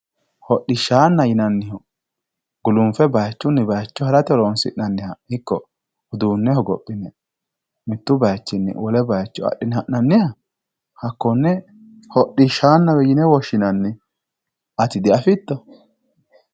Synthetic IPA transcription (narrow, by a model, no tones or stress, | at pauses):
hɔɗːɪʃaːnːɐjɪnɐnːɪhɔ | ɡ̥ʊlʊmfɛbɐjt͡ʃːʊnːɪbɐjt͡ʃːɔhɐɾɐt̪ɛlonsɪ̰ʔnɐnːɪhɐhɪkːɔ | ʊd̪uːnːɛhɔɡɔ̰pʼːɪnɛ | mɪt̪ːʊbɐjt͡ʃːɪnːɪ̰wɔlɛbɐjt͡ʃːʊɐ̰ɗːɪnhɐʔnɐnːɪhɐ | hɐkːɔnːɛ | hɔɗːɪʃaːnːɐwɛjɪnɛwɔʃɪnɐnːɪ | ɐt̪ɪd̪ɪɐfɪt̪ːɔ